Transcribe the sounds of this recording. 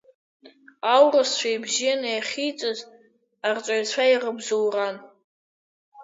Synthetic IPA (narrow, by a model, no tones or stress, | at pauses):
awrast͡ʃʷʰᶣajbzijanajaχʲijt͡sʼɨz | art͡ʃʷʼajt͡ɕʷʰairəbzowran